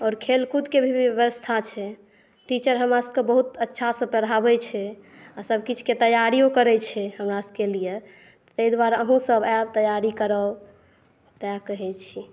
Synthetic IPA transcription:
ɔɾkʰelkud̪kebʱibjəβəst̪ʰat͡ʃʰɛ | ʈit͡ʃəɾɦəmɾasə̃kebəɦut̪ətːʃʰasə̃bpəɾəɦabɛt͡ʃʰɛ | asəbkit͡ʃʰket̪əjaɾijokəɾɛt͡ʃʰɛɦəmɾasəkelije | t̪t̪əid̪waɾəɦũsəbabt̪əjaɾikəɾə | t̪akəɦɛt͡ʃʰi

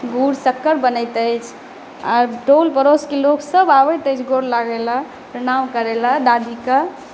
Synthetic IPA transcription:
ɡuɾsəkːəɾbənəjt̪əjt͡ʃʰ | aɾʈolpəɾoskeloksəbaʋəjt̪əjt͡ʃʰɡoɽlaɡɛla | pɾəɽ̃amkəɾelad̪ad̪ikə

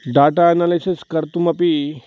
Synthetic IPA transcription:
ɖaʈaːnalisiskəɾt̪uməpi

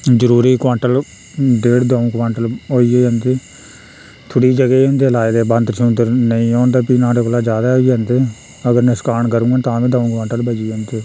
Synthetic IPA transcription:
d͡ʒəɾuːɾiːkʋãːɳʈəl | ɖeːɽd̪aːũːkʋãːɳʈəlɦoːiːeːə̃ːnd̪eː | t̪ʰʊɽiːd͡ʒəɡeõːnd̪eːlaːed̪eːbə̃nd̪t͡ʃʰũnd̪əɾnəĩːɔːnd̪aːpiːnãːɽeːkolaːd͡ʒaːd̪aːiːãːnd̪eː | əɡəɾnɪskaːɳkəɾũːãːt̪ãːbĩːd̪ãːũːkãːɳʈəlbəd͡ʒiːə̃ːnd̪eː

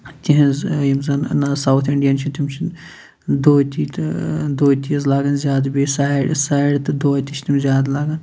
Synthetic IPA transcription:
t̪ʲiɦĩzjimzɐnnɐsɐwt̪ʰiɳɖijɐnt͡ʃʰit̪imt͡ʃʰin | d̪oːt̪it̪d̪oːt̪iɐzlaːɡɐnzʲjaːd̪bisaːiɽsaːɽt̪ɨd̪oːt̪it͡ʃʰt̪imzʲjaːd̪laːɡɐn

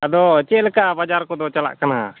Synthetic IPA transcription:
əd̪ɔt͡ʃɛʔlɛkaʔbad͡ʒaɾkɔd̪ɔt͡ʃala̰ʔkana̰

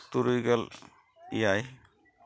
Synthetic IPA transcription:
t̪uɾujɡɛl | ḭjaj

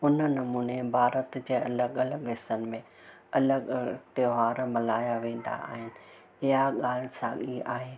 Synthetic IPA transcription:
ʊnənɐmuːnebʱaːɾət̪d͡ʑeːɐləɡɐləɡɦɪsənɪ̆mẽ | ɐləɡt̪eɦaːɾmɐlaːjaʋẽːnd̪a̰a̰ːɦɪnɪ̆ | ɪɦaɠaːlɪsãːɠia̰ːɦeː

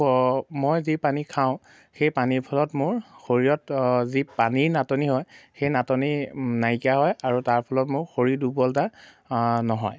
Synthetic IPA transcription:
mojzipanikʰaʊ̃ | xejpaniɹpʰɔlɔtmʊɹxoɹijɔtzipaniɹnatɔniɦɔjxejnatɔninajkijaɦɔjaɹutaɹpʰɔlɔtmʊɹxoɹidubɔlta | nɔɦɔ̰j

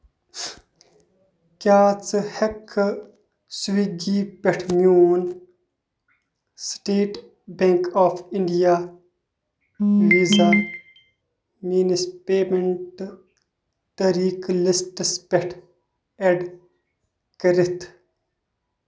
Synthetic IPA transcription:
kʲaːt͡sɨhekʰ | sʋiɡiːpeʈʰmjuːn | sʈeːʈ | beŋkoːfiɳɖijaː | ʋiza | miːnispeːmeɳʈ | t̪ɐɾiːklisʈəspeʈʰ | eɖ | kəɾit̪ʰ

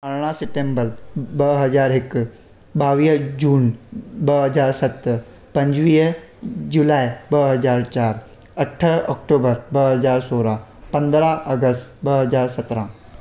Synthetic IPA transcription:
ɐɽɽ̃ãsɪʈẽːmbəɾbɐɦɐzaːɾɦɪk | ɓaːʋiːd͡ʒuːnbɐɦɐzaːɾsɐt̪ | pɐ̃ɲd͡ʑʋiːɦ | d͡ʒulaːibɐɦɐzaːɾt͡ʃaːɾ | ɐʈʰɔkʈoːbəɾbɐɦɐzaːɾsoːɾapɐ̃nd̪ɾãɐɡəsʈbɐɦɐzaːɾsɐt̪ɾãː

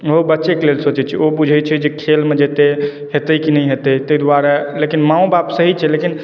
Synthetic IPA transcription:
obətːt͡ʃekelelsot͡ʃɛt͡ʃʰiobud͡ʒʱɛt͡ʃʰɛd͡ʒekʰelmed͡ʒet̪e | ɦet̪əjkinəjɦet̪ət̪əjd̪waɾalekinmãũbapsəɦit͡ʃʰɛlekin

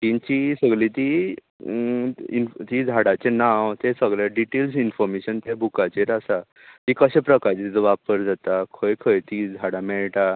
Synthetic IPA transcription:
t̪iɲt͡ɕisəɡɭit̪i | int̪id͡zʱaɽat͡ɕenawt̪esəɡɭaɖiʈelsinfɔɾmeɕənt̪ebʱukat͡ɕeɾasa | t̪ikəɕepɾəkaɾt͡ɕet̪it̪əʋapəɾd͡zat̪akʰəjkʰəjt̪id͡zʱaɽamɛɭʈa

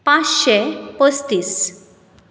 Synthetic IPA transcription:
pãt͡sɕɛpəst̪iːs

